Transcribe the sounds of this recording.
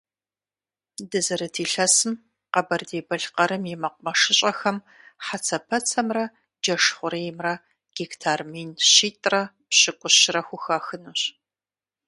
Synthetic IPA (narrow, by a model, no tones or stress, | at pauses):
dɨzɐɾɐtʰiːɬɐsɨm | qɐbɐrdeːbɐɬqɐɾɨmjɛmɐqʷʊmɐʂɪɕʼɐxɐm | ħat͡sʰɐpʰɐt͡sʰɐmrɐ | d͡ʒɐʂχʷʊɾejɪmrɐ | ɡ̥iktʰaːrmiːnɕiːtʼrɐ | pɕɪkʷʼʊɕɪrɐxʷʊxaxɨnuːɕ